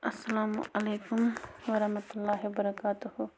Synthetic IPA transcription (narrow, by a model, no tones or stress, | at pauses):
ɐsːɐlaːmʔɐleːkʊmʋɐɾɐhmɐt̪ʊlːaːɦibɐɾɐkaːt̪uhu